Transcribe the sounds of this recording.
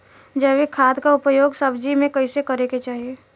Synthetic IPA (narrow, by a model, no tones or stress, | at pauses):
d͡ʒəːʋikʰaːd̪kaʊpəjoːɡsɐbd͡ʒimẽkɐɪsekɐɾeket͡ʃaːɦieː